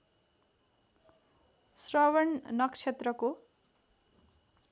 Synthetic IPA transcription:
srʌwʌɳnʌkt͡ʃʰet̪rʌko

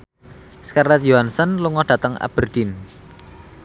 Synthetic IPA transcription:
skarlɛt̪̚joɦansənluŋɔd̪̥ät̪əŋa̰b̥ərd̪̥in

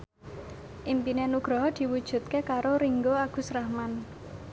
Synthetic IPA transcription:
ʔimpinenuɡ̥ɾɔɦd̪̥i̤wud̥ʒ̥ṳt̪̚kekaɾoɾiŋɡoaɡ̥ṳsɾahman

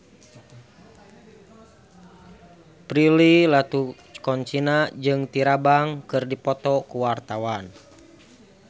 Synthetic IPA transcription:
pɾililat̪u | kɔɲt͡ʃinad͡ʒɨŋt̪iɾabaŋkɨrdipɔt̪ɔkuwart̪awan

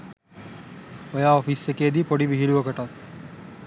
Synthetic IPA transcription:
ojaːɔfisekejːd̪iːpoɽiʋiɦiluʋəkəʈat̪̚

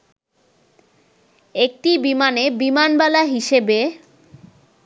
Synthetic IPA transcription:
ek̚ʈibimanebimanbɛlaɦiʃebe

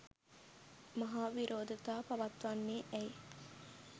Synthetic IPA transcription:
mɐɦaːʋiɾoːd̪ʱɐt̪aːpɐʋɐt̪ʋɐnːiːʔej

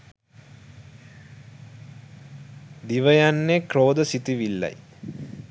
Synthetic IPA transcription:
d̪iʋəjanːekroːd̪əsit̪iʋilːa̰j

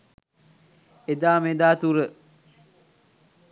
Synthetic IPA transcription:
ed̪aːmed̪aːt̪uɾə

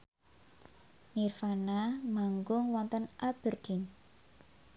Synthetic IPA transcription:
nirfanamaŋɡʊŋwɔnt̪ənʔab̥ə̤rd̪̥i̤n

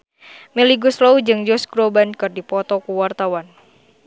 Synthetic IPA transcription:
meliɡusloud͡ʒɨŋd͡ʒɔsɡɾobankɨrdipɔt̪ɔkuwart̪awan

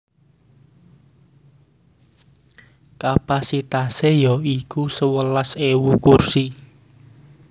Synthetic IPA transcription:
kapasit̪asejɔikusəwəlasewukursi

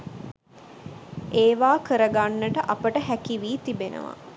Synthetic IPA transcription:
eːʋaːkəɾəɡanːəʈəʔapəʈəɦækiʋiːt̪ibenə̰ʋa̰

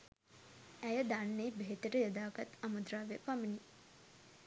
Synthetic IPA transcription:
æjəd̪anːeːbeɦet̪əʈəjəd̪aːkat̪amud̪ɾaːʋeəpamini

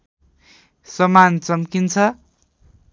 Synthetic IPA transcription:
sʌmant͡sʌmkint͡sʰʌ

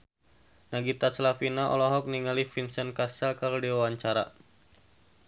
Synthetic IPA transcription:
naɡit̪aslafinaʔɔ̰lɔɦɔk̚niŋalifinsənkasakaɾudiwawaɲt͡ʃaɾa̰

